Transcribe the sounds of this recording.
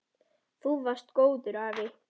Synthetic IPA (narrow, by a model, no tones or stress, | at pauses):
θuvar̥st̪koːwðʏɾaːvɪ